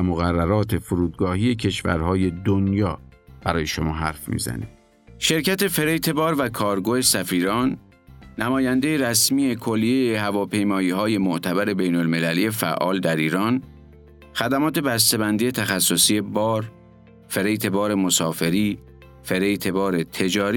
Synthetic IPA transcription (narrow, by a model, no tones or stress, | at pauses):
moɣærːæɾɒːt̪ʰe̞fuɾuːd̪̚ɡɒːhije̞cʰe̞ʃvæ̰ɾhɒːje̞d̪onjɒːb̥æɾɒːje̞ʃomɒːɦæ̰ɾfmḭːzæ̰ne | ʃe̞ɾcʰæt̪e̞fe̞ɾejt̪ʰe̞bɒːɾvækʰɒːɾɡoːhe̞sæfiːɾɒːnː | æmɒːjænd̪ejeɾæsmiːe̞kʰo̞lːijejehævɒːpʰe̞jmɒːiːɦɒːje̞moʔt̪ʰæbæɾe̞be̞jnolme̞læliːjefæ̰ʔɒ̰ːld̪æɾiːɾɒːn | xæd̪æmɒːt̪ʰe̞bæs̬t̪e̞bænd̪ijet̪ʰæxæsːosiːje̞bɒːɾ | fe̞ɾejt̪ʰe̞bɒːɾe̞mo̞sɒːfe̞ɾiː | fe̞ɾe̞jt̪ʰe̞bɒːɾe̞t̪ʰe̞d͡ʒɒːɾi